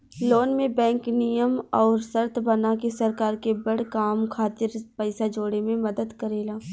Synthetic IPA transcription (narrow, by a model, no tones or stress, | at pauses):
loːnmẽbɛ̃ːŋknijəmɔːɾsɐɾt̪ʰbɐnakesɐɾkaːɾkebɐɽkaːmkʰaːt̪ɪɾpɛɪsad͡ʒoːɽemẽmɐd̪əd̪kəɾeːlaː